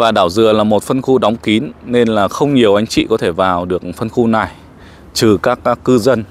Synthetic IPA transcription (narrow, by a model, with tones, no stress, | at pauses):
vaː˨˩ɗaː˧˩wzɨ̰˧˨əlaː˨˩mo˨˩t̚fə˧nxu˧ɗɔ˨˦wŋ͡mki˨˦nːe˧nlaː˨˩xə˧wŋ͡mɲi˨˩əwʔa˨˦jŋ̟t͡ɕḭ˧˨kɔ˨˦t̪ʰe˧˩vaː˨˩wɗɨ˨˩ək̚fə˧nxu˧na˨˩j | t͡ɕɨ˨˩kaː˦˥kːaː˦˥kːɨ˧zə˧n